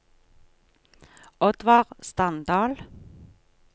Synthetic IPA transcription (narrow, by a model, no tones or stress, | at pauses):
ɔd̪ʋɑːʁst̪ɑnd̪ɑːl